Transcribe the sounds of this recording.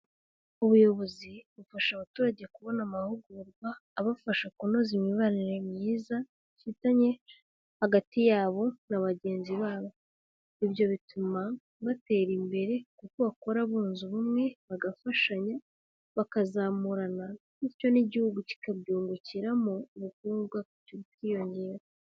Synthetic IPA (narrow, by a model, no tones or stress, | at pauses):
uβujo̞βo̞ziβufaʃaβatuːɾaɟe̞kuβo̞namahuɡuɾɡwaːβafaʃakuno̞zimɲiβaniɾemɲiːza | fitaɲe̞ | haɡatijaːβo̞naβaɟe̞ːnziβaːβo̞ | iβjo̞βitʰuma | βate̞ːɾimbe̞ɾe̞kukoβako̞ɾaβuːnzuβumŋe̞βaɡafaʃaɲa | βakazaːmuɾana | ico̞niɟihuɡuci̥kabɟuːŋɡuciɾamouβukuːɾɡwakcuβitkiːjo̞ɲɟe̞ːɾa